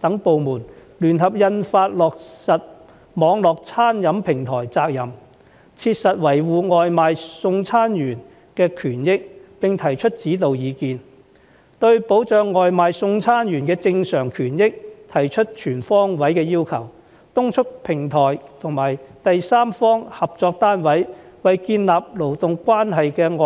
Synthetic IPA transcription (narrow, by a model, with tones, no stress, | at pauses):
t̪ɐ˨˥ŋpo˨wmuː˨˩n | lyː˨˩nɦɐ˨p̚jɐ˧nfaː˧t̚lɔː˨k̚sɐ˨t̚ | mɔː˨˧ŋlɔː˨˩k̚t͡sʰaː˥njɐ˨˧˥mpʰɪ˨˩ŋt̪ʰɔː˨˩jt͡saː˧k̚jɐ˨˩m | t͡sʰiː˧t̚sɐ˨t̚wɐ˨˩jwuː˨ŋɔː˨jmaː˨jsʊ˧ŋt͡sʰaː˥njyː˨˩n | kɛː˧kʰyː˨˩njɪ˥k̚pɪ˨ŋt̪ʰɐ˨˩jt͡ʃʰɵ˥t̚t͡siː˨˥t̪o˨wjiː˨˧kiː˨˧n | t̪ɵ˧ɥpo˨˥wt͡ʃœː˨˧ŋːɔː˨jmaː˨jsʊ˧ŋt͡sʰaː˥njyː˨˩nkɛː˧t͡sɪ˧ŋsœː˨˩ŋkʰyː˨˩njɪ˥k̚t̪ʰɐ˨˩jt͡ʃʰɵ˥t̚t͡ʃʰyː˨˩nfɔː˥ŋwɐ˨˥jkɛː˧jiː˥wkʰɐ˨˩w | t̪ʊ˥ŋt͡ʃʰɵ˥k̚pʰɪ˨˩ŋt̪ʰɔː˨˩jt̪ʰʊ˨˩ŋmaː˨˩jt̪ɐ˨jsaː˥mfɔː˥ŋhɐ˨p̚t͡sɔː˧k̚t̪aː˥nwɐ˨˥jwɐ˨jkiː˧nlaː˨p̚lo˨˩wt̪ʊ˨ŋkwaː˥nɦɐ˨jkɛː˧ŋɔː˨